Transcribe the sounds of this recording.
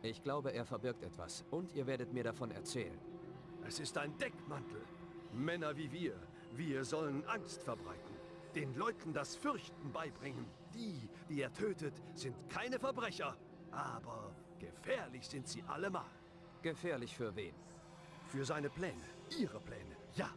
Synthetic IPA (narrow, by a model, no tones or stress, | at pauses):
ʔɪçɡ̥laʊbəeːɐfɛɐbɪɐktɛ̰tv̥a̰sʔʊntʔiːɐveːɐɾətmiːɐɾafɔnɛ̰ɐt͡sɛ̰ːlə̰n | ʔɛsɪstaɪndɛkmantl̩ | mɛnɐviːviːɐ | viːɐzɔlənʔaŋstfɛɐbʁa̰ɪtn̩ | d̥eːnlɔʏtn̩dasfʏɐçtn̩baɪbʁɪŋən | d̥iːd̥iːeːɐtʰøːtətz̥ɪntkʰaɪnəfɛɐbʁɛçɐ | ʔaːbɐ | ɡ̥əfɛːɐlɪçz̥ɪntz̥ḭːʔa̰ləma̰ːl | ɡ̥əfɛːɐlɪçfyːɐveːn | fyːɐzaɪnəpl̥ɛːnə | ʔiːʁəpl̥ɛ̰ːnə | jaː